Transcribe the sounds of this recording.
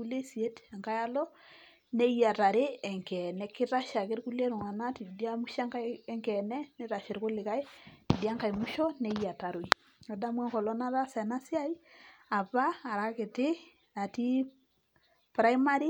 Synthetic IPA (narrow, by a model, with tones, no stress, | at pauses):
ku˦le˦si˨e˦tɛ˨ŋka˦ja˦lɔ˦ | ne˦ja˨ta˨ɾɪ˦ɛ˨ŋkɛ˨nɛ˨kɪ˦ta˦ʃa˨kɪ˦ɾku˦le˦ɾʊ˨ŋa˨na˦ti˨di˦a˦mu˦ʃa˦ŋkaː˦ŋkɛ˨nɛ˦nɛ˦ɾa˨ʃɪ˨ɾkʊ˦lɪ˨ka˦jti˨di˦a˦ŋka˨jmu˦ʃɔ˦ne˦ja˨ta˨ɾwi˨ | ɔ˨da˦mwa˦ŋkɔ˨lɔ˦na˦ta˦sɛ˨na˦sɪ˦a˦ja˨paː˦˨ɾa˨kɪ˨tɪ˦ | a˨ti˦ | pɾa˦jma˦ɾi˦